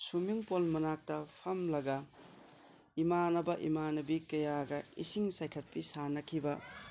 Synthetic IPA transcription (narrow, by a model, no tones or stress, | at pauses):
sumiŋpolmɐnak̚tɐpʰɐmlɐɡɐ | imanɐbɐʔḭmanɐbikɐjaɡɐḭsiŋsajkʰɐt̚pisanɐkʰibɐ